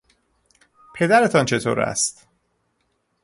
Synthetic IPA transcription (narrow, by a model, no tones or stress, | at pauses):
pʰe̞d̪æɾet̪ʰɒnt͡ʃʰe̞t̪ʰoːɾæ̰st̪